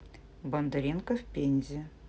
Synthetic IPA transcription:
bɐnd̪ɐɾʲinkəfʲpʲenʲzʲɪ

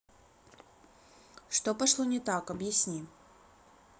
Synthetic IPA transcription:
ʂt̪opɐʂlˠonʲɪt̪akɐbjɪsʲnʲi

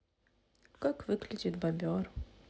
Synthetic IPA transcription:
kakvɨklʲid͡ʑid̪babʲɔr

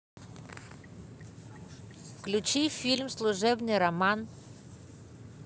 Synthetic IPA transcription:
fklʲʊt͡ɕifʲilʲmslˠʊʐɛbnɨjɾɐman

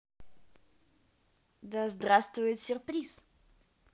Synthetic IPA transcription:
d̪əzd̪rast̪vʊjɪt̪sʲɪrpɾʲis

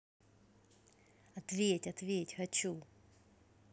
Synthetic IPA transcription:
ɐt̪vʲetʲɐt̪vʲetʲxɐt͡ɕu

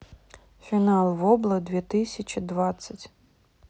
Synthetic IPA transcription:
fʲinalˠʋɔblˠɐd̪ʋʲit̪ɪsʲɐt͡ʃid̪ʋat̪sɐtʲ

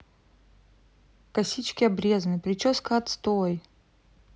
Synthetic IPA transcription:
kɐsʲit͡ɕkʲɪɐbɾʲe̞znɨpɾʲɪt͡ɕoskəɐt̪st̪oj

